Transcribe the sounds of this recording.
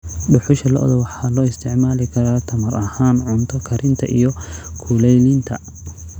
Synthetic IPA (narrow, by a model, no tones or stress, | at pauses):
ɖʊħʊʃɐlɐʔðɔwɑħɑːlɔːɪst̪ʰɪʕmaːlɪkʰɐɾaːt̪ʰɐmɐɾɐhaːnʕʊnt̪ʰɔkʰɐɾʔɪnt̪ʰɐʔḭjɔkʰulɛjlɪnt̪ʰɐ